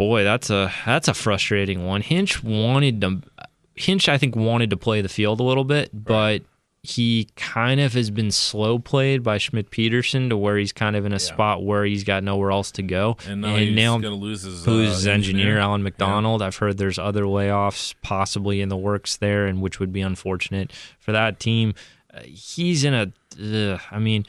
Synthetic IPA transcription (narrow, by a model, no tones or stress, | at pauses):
b̥ɔɪðætsəðætsəfɹʌstɹ̥eɪɾɪ̃ŋwʌ̃nhɪ̃nt͡ʃwɑ̃ɾ̃ɨd̚tə | hɪ̃nt͡ʃaɪθɪ̃ŋkwɑ̃ɾ̃ɨd̚təpʰl̥eɪðɨfilˠdəlɪɾl̩ˠbɪt̚b̥ʌt̚ | hikʰãɪ̃ndʌv̥ɨzbɨ̃nsloʊpʰl̥eɪd̚baɪʃmɪt̚pʰiɾə˞sɨ̃ntəwə˞iz̥kʰãɪ̃ndʌvɨ̃ñɨsppɑʔ̚wə˞izɡɑtⁿnoʊwɛɹɛlˠstʰɨɡoʊ̃nɨ̃nːaʊnlzzuzɪzɛ̃nd͡ʒɨnɪɹælˠə̃nmɨk̚d̥ɑnl̩ˠdaɪv̥hɜ˞d̪̚ðə˞zʌðə˞leɪɔfspʰɑsəbliɨ̃nðəwɜ˞ksðə˞ɨ̃nwɨt͡ʃwɨd̚biə̃ɱfɔɹt͡ʃɨnɨt̚fə˞ðətʰĩm | izɨ̃nɨ | aɪmĩn